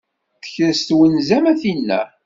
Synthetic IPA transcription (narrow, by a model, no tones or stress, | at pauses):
θə̥çəɾst̪wənzæmæθinːæ̰